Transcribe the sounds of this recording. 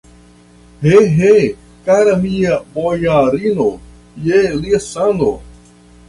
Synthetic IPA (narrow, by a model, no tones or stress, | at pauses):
heɦe | kaɾamiabojaɾino | jeliasano